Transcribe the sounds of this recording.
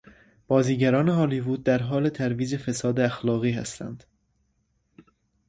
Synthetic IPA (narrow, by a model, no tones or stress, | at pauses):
b̥ɒːziːɟæɾɒːne̞ɦɑːlivuːd̪̚ːæɾɦɒːle̞t̪ʰæɾviːd͡ʒe̞fe̞sɒːd̪eæxlɒːɣiːhæ̰st̪ʰæ̰nd̪̥